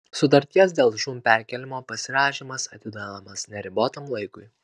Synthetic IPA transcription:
sʊt̪ɐɾʲt̪ʲiɛs̬d̪ʲeːlˠʒuːmpʲæˑɾʲkʲɛlʲɪmoːpɐsʲɪɾɑːʃʲimɐsɐt̪ʲɪd̪ɐnɐmɐsnʲɛɾʲɪboːt̪ɐmlˠɐɪkʊɪ

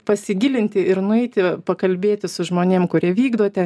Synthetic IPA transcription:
pɐsʲɪɡʲɪlʲɪnʲt̪ʲɪɪɾnʊɛɪt̪ʲɪpɐkɐlʲbʲeːt̪ʲɪsʊʒmoːnʲeːmkʊɾʲiɛʋʲiːɡd̪oːt̪ʲɛ

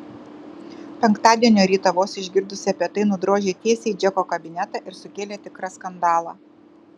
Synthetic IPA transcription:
pʲɛŋkt̪ɑːd̪ʲiɛnʲoːɾʲiːt̪ɐʋoːsʲɪʒʲɡʲɪɾd̪ʊsʲɪɐpʲiɛt̪ɐɪnʊd̪ɾoːʒʲeːt̪ʲiɛsʲeɪd͡ʒʲɛkoːkɐbʲɪnʲɛt̪ɑˑʔɪɾsʊkʲeːlʲeːt̪ʲɪkɾɐskɐnd̪ɑːlˠɑ̰ː

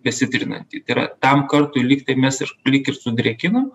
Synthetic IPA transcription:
bʲɛsʲɪt̪ʲɾʲɪnɐ̰nʲt̪ʲiːt̪ɐɪɾɐ̰t̪ɐmkɐrt̪ʊlʲiːkt̪ɐɪmʲɛsɪʃlʲiːkʲɪɾsʊd̪ʲɾʲɛkʲɪnom

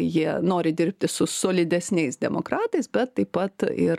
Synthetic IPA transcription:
jiɛnoːɾʲɪd̪ʲɪɾʲpʲt̪ʲɪsʊsoːlʲɪd̪ʲɛsʲnʲɛɪsd̪ʲɛmoːkɾɑːt̪ɐɪsbʲɛt̪ːɐɪppɐt̪ɪ

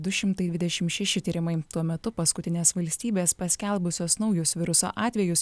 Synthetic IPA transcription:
d̪ʊʃʲɪmt̪ɐɪd̪ʋʲɪd̪ʲɛʃʲɪmʃʲɛʃʲɪt̪ʲiːɾʲɪmɐɪt̪uɔmʲɛt̪ʊpɐskʊt̪ʲɪnʲeːsʋɐlʲsʲt̪ʲiːbʲeːspɐsʲkʲɛlˠbʊsʲoːsnɒʊjʊsʋʲɪɾʊso̰ːʔɑːt̪ʲʋʲɛjʊs

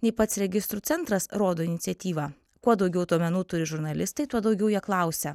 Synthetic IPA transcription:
nʲɛɪpɐt̪sɾʲɛɡʲɪst̪ɾuːsʲɛnt̪ɾɐsɾoːd̪oːɪnʲɪt̪sʲɛt̪ʲiːʋɑː | kuɔd̪ɒʊɡʲɛʊd̪uɔmʲɛnuːt̪ʊɾʲɪʒʊɾnɐlʲɪst̪ɐɪt̪uɔd̪ɐʊɡʲɛʊjiɛklˠɐˑʊsʲɛ

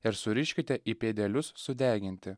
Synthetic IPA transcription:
ɪɾsʊɾʲɪʃʲkʲɪt̪ʲɛʔiːpʲeːd̪ʲɛlʲʊsːʊd̪ʲæːɡʲɪnʲt̪ʲɪ

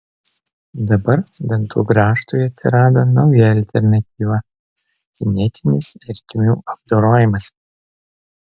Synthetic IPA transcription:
d̪ɐbɐɾd̪ʲɐnt̪ṵːɡɾɑːʃt̪uːjɐt̪ʲsʲɪɾɑːd̪oːnɐʊjɛɐlʲt̪ʲɛɾnɐt̪ʲiːʋɐ | k̪ʲɪnʲɛt̪ʲɪnʲɪsɛɾʲk̪ʲɪmʲuːʔɐb̚d̪oːɾoːjɪmɐs

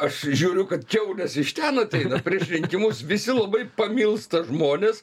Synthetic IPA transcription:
ɐʃʒʲuːɾʲʊkɐt̪kʲɛʊlʲɛsɪʃʲt̪ʲænɐt̪ʲɛɪnɐpʲɾʲiɛʃʲɾʲɪŋʲkʲɪmʊsʋʲɪsʲɪlˠɐbɐɪpɐmʲɪlˠst̪ɐʒmoːnʲeːs

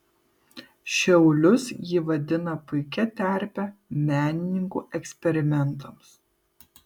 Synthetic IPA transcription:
ʃʲɛʊlʲʊsjɪʋɐd̪ʲɪnɐpʊɪkʲɛt̪ʲæˑɾʲpʲɛmʲæːnʲɪnʲɪŋkṵːʔɛksʲpʲɛɾʲɪmʲɛnˑt̪ɐms

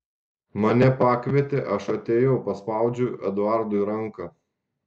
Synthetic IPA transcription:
mɐnʲɛpɑːkʋʲiɛt̪ʲeʔɐʃɐt̪ʲeːjɛʊpɐspɑˑʊd͡ʒʲʊʔɛd̪ʊɑˑɾd̪ʊɾɐŋˑkɐ

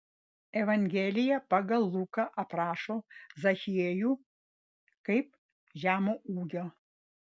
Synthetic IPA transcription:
ɛʋɐŋʲɡʲeːlʲɪjɛpɐɡɐlˠːuːkɐʔɐpɾɑːʃoːzɐxʲɪjeːjuː | kɐɪp̚ | ʒʲæːmoʔuːɡʲoː

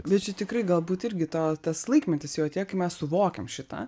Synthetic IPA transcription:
bʲɛt̪̚t͡ʃʲɛt̪ʲɪkrɐɪɡɐlˠbuːt̪ɪɾʲɡʲɪt̪oːt̪ɐslˠɐɪkmʲɛnʲt̪ʲɪsjɛːɐt̪ʲeːjɛkɐɪmʲɛssʊʋoːkʲɛmʃʲɪt̪ɐ̰

